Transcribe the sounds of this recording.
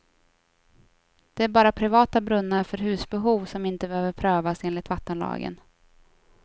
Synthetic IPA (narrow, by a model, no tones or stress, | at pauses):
d̪̥ɛæɾbɑːɾapʰɾɪvɑːt̪abɾɵnːaɾfœɾɦʉ̟ːsbɛɦuːvsɔmɪnt̪əbøːvəɾpʰɾøːvaseːnlɪt̪vat̪ːənlɑ̰ːɡə̰n